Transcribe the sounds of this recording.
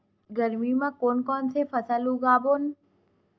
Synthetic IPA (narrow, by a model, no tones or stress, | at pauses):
ɡəɾmimãːkoːnkɔːnsefəsalũɡaːboːn